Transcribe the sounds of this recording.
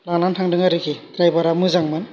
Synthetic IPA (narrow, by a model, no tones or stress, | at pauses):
lanlantʰaŋdɯŋaɾɯkʰikɾajbaɾamɯzaŋmɯn